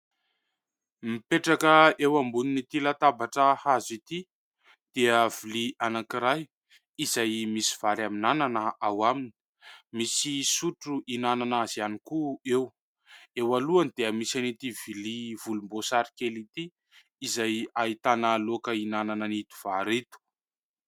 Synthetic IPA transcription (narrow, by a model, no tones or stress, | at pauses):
mipeʈ͡ʂakəewambuninit̪ilat̪abaʈ͡ʂəhazit̪i | d̪̥eəviliʔanakiɾaj | izajmisi̥v̥aɾaminananəawamini̥ | misisuʈ͡ʂuʔinananazanikuew | ewaluanid̪̥eəmisanit̪ivilivulumbosaɾi̥kelit̪iː | zajait̪analokəinananənit̪u̥v̥aɾit̪u̥